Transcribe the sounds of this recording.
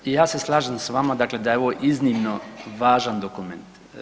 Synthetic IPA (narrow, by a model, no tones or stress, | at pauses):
jaːseslˠaːʒamsʋamad̪akled̪ajeoʋoʔiznimnoʋaːʒand̪okument̪